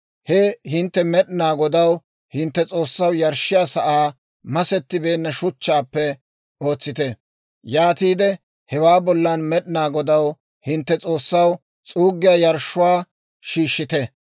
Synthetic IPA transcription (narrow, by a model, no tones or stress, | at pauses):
hɛhɪnt̪ːɛmɛɗɪnaːɡɔd̪ɐw | hɪnt̪ːɛt͡sʼo̞ːsːɐwjɐɾʃːɪjaːsɐʔaː | mɐsɛt̪ːɪbe̞ːnːɐʃʊt͡ʃːaːpːɛ | o̞ːt͡sːɪt̪ɛ | jaːt̪iːd̪ɛ | hɛwaːbɔlːɐnmɛɗɪnaːɡɔd̪ɐw | hɪnt̪ːɛt͡sʼo̞ːsːɐw | t͡sʼuːɡːɪjaːjɐɾʃːʊwaː | ʃiːʃːɪt̪ɛ